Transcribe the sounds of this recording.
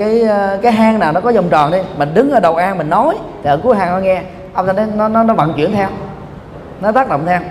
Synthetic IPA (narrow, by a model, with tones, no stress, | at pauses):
kaː˨˦jkaː˨˦jɦaː˧ŋnaː˨˩wnɔ˨˦kɔ˨˦zə˨˩wŋ͡mt͡ɕɔ˨˩nɗi˧mï˨˩ŋɗɨ˨˦ŋʔəː˧ɗə˨˩wʔaː˧nmï˨˩ŋ̟nɔ˨˦jt̪ʰi˨əː˧˦˩ku˨˦əjɦaː˧˩nɔ˨˦ŋɛ˧ | ʔa˧wt̪ʰa˧jnɔ˨˦nɔ˨˦nɔ˨˦nɔ˨˦va̰˧˨nt͡ɕwḭ˧˩˨ənt̪ʰɛ˧w | nɔ˨˦t̪aː˦˥k̚ɗə̰˧˨wŋ͡mt̪ʰɛ˧w